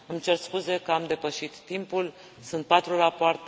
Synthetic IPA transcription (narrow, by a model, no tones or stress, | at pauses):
ɨmt͡ʃe̞rskuze̞kəamd̪e̞pəʃit̪ːimpul | sunt̪̚pat̪ɾurapoart̪